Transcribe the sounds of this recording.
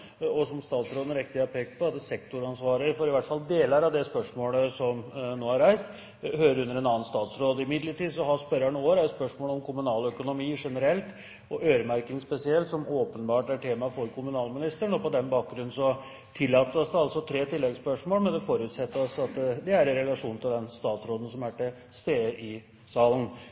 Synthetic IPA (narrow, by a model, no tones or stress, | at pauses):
ɔsɔmst̪ɑːt̪sɾoːd̪n̩ɾɛk̚t̪ɪɑpʰeːkpʰɔɑt̪ɛsɛkt̪ʊɾɑnsʋɑːɾəɾfɔɾɪʋæʈ̪fɑld̪eːləɾɑʋd̪ɛspœʂmoːləsɔmnoːhɑɾæɪst̪ | høːɾəɾʉnːəɾɛnɑːənst̪ɑːt̪sɾoːd̪ɪmɪd̪ləʈiːd̪sɔɦɑspœɾɑɳoːɾæspœʂmoːlɔmkʰʊmʉnɑːlœkʊnʊmiːʂɛnəɾɛlt̪ | ɔʔøːɾəmæɾkɪŋspɛsɪɛlt̪sɔmoːpənbɑːʈæʈʰeːmɑfɔɾkʰʊmʉnɑːlmɪnɪst̪əɳɔpɔd̪ɛnbɑːk̚ɡɾʉn̩sɔ | t̪ʰɪlːɑːt̪ːəɔsd̪ɛɑlsɔt̪ʰɾeːt̪ʰɪlːɛɡspœʂmoːlmɛnd̪ɛfoɾʉːt̪sɛt̪ːəɾɔsɑt̪d̪ɛæɾɛnɾɛlɑʂuːn̩t̪ʰɪld̪ɛnst̪ɑːt̪sɾoːd̪ən̩sɔmæʈɪ | st̪eːəʔɪ | sɑːlən̩